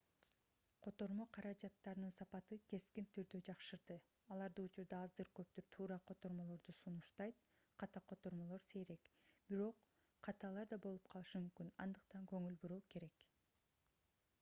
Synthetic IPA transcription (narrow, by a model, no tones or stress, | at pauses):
qʰo̞t̪o̞ɾmo̞qʰɑɾɑd͡ʒɑt̪ːɑɾɯnɯnsɑpɑt̪ɯke̞skint̪ʰyɾd̪ød͡ʒɑqʃɯɾd̪ɯ | ɑlˠɑɾd̪ɯut͡ʃuɾd̪ɑɑzd̪ɯɾkø̞p̚t̪yɾt̪ʰuːɾɑqʰo̞t̪o̞ɾmo̞lˠo̞ɾd̪usunuʃt̪ɑjt̪qʰɑt̪ɑqʰo̞t̪o̞ɾmo̞lˠo̞ɾse̞ɾe̞kb̥iɾo̞qʰː | ɑt̪ɑlˠɑɾd̪ɑbo̞lˠupqʰɑlˠɯʃɯmymkynɑ̰nd̪ɯq̚t̪ɑŋkøŋylbuɾuːke̞ɾe̞k